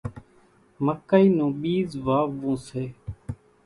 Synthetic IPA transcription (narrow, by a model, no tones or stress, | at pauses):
məkːaiːnũːɓiːzʋaːʋũːseː